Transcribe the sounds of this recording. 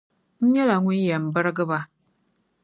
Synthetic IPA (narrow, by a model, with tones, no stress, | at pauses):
n̩˦ɲɛ˦la˨ŋu˦n˦jɛ˨m̩˨bə˦ɾɡɨ˦ba˦